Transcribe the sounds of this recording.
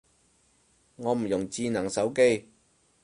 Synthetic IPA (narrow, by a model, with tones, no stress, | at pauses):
ŋɔː˨˧m̩˨˩jʊ˨˩ŋt͡siː˧nɐ˨˩ŋsɐ˨˥wke˥j